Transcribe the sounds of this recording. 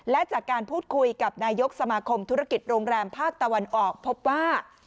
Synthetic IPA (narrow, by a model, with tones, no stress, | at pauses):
lɛ˦˥t͡ɕaː˨˩kːaː˧npʰuː˥˩t̪̚kʰu˧jka˨˩p̚naː˧jo˦˥k̚sa˧maː˧kʰo˧mt̪ʰu˦˥ɾa˥˧˩ki˨˩t̪̚ɾoː˧ŋɾɛː˧mpʰaː˥˩k̚t̪a˧wa˧nʔɔː˨˩k̚pʰo˦˥p̚waː˥˩